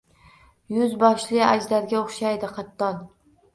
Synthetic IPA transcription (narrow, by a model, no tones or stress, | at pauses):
jʊzbɒʃlɪad͡ʒd̪aɾɡʲaoχʃajd̪ɪqʰɑt̪ːɒn